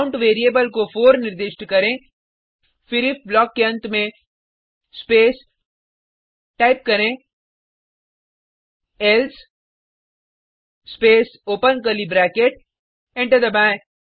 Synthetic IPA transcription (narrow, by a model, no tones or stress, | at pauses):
ʊ̃ɳʈʋeːɾieːbəlkofoːɾnɪɾd̪ɪʃʈkɐɾẽ | fɪɾɪfblɔːkːeɐ̃nt̪mẽ | speːs | ʈaːɪp̚kɐɾẽ | els | speːsoːpənkəlibɾɛːkeʈ | ẽɳʈəɾd̪ɐbãː